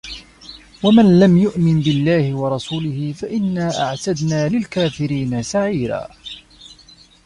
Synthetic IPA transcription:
wamanlamjʊʔmɪnbɪlːaːhɪwɑɾˤɑsuːlɪhɪfaʔɪnːaːʔaʕt̪ad̪naːlɪlkaːfɪɾiːnasaʕiːɾa̰ː

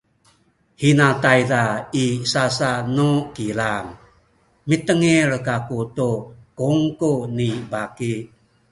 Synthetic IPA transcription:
hinatajdaisasanukilaŋ | mit̪əŋiɾkakutukuŋkunibaki

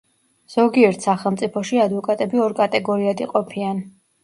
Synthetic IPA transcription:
z̥ɔɡiɛɾt̪ʰsaχɛlˠmt̪sʼipʰɔʃiad̪vɔkʼat̪ʼɛbiɔɾkʼat̪ʼɛɡɔɾiad̪iqʼɔpʰian

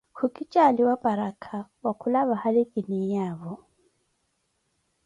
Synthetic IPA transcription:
hukʼit͡ʃʼaliwapʼaɾakʰawakʰulaβahalikʼinijaːβɔ

